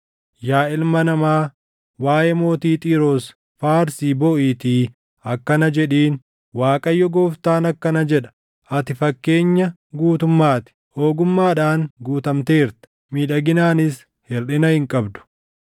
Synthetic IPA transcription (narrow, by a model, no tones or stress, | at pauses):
jaːʔɪlmɐnɐmaː | waːjɛmo̞ːt̪iːt̪ʼiːɾoːs | faːɾsiːbɔʔiːt̪iː | ɐkːɐnɐd͡ʒɛᶑiːn | waːkʼɐjːɔɡoːft̪aːnɐkːɐnɐd͡ʒɛᶑɐ̥ | ɐt̪ɪfɐkːe̞ːɲːɐ | ɡuːt̪ʊmːaːt̪ɪ̥ | oːɡʊmːaːᶑaːŋɡuːt̪ɐmt̪e̞ːɾt̪ | miːᶑɐɡɪnaːnɪs | hɛrɗɪnɐhɪŋkʼɐbd̪ʊ̥